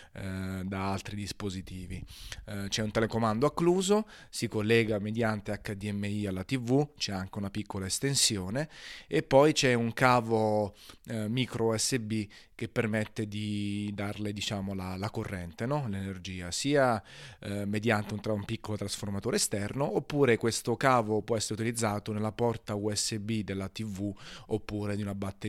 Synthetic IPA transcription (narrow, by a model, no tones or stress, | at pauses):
d̪aalt̪ɾid̪ispozit̪iːvit͡ʃɛunt̪elekomand̪oakːluːzo | sikolːɛːɡamed̪jant̪eakːad̪iɛmːeialːat̪ivut͡ʃɛaŋk̟eunapikʰːolaest̪ensjoːneepːɔjt͡ʃɛuŋkaːvo | mikɾoɛsːebi | k̟epːermet̪ːed̪id̪arled̪it͡ʃaːmolalakorːɛnt̪enɔlenerd͡ʒiːasiːa | med̪jant̪eunt̪umpikːolot̪ɾasformat̪oːɾeːst̪ɛrnoʔopːuːɾekwest̪okaːvopwɔɛsːeɾeut̪ilid̪zːaːt̪onelːapɔrt̪auɛsːebid̪elːat̪ivuopːuːɾed̪iunabat̪ːe